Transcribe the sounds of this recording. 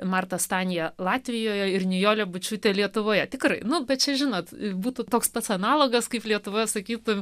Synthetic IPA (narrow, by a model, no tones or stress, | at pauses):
mɑrt̪ɐst̪ɑːnʲɪjɛlˠɑːt̪ʲʋʲɪjoːjɛɪrnʲɪjoːlʲɛbʊt͡ʃʲuːt̪ʲɛlʲiɛt̪ʊʋoːjɛtʲɪkrɐɪnʊbʲɛt̪̚t͡ʃʲɛʒʲɪnoːt̪ɪbuːt̪ʊt̪oːkspɐt̪sɐnɑːlˠoːɡɐskɐɪplʲiɛt̪ʊʋoːjɛsɐkʲiːt̪ʊ